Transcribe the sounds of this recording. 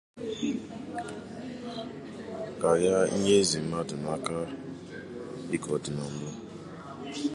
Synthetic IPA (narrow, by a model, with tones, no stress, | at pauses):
ka˨ja˦i˦ɲe˦zi˨m̩˦ma˦dʊ˨na˦ka˦ | i˦kɔ˨dɪ˨nɔ˨n̩˦bʊ˦